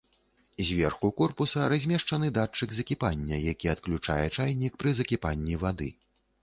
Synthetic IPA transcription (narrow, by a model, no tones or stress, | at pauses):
zʲvʲɛrxukɔrpusɐɾazʲmʲɛʂt͡ʂɐnɨd̪at͡ʂɨɡzɐkʲipanʲːɐjakʲiɐt̪klʲut͡ʂa̰jɛt͡ʂajnʲikpɾɨzɐkʲipanʲːivad̪ɨ